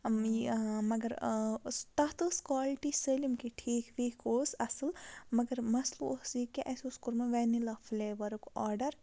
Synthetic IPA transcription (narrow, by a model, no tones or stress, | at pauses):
mɐɡɐɾ | t̪ɐt̪ɨskwaːlʈiselimkiʈʰiːkʰʋiːkʰoːsɐsɨlmɐɡɐɾmɐsluosikeʔɐsoskuɾmɐʋɛnilɐfleːʋɐɾukɔːɾɖɐɾ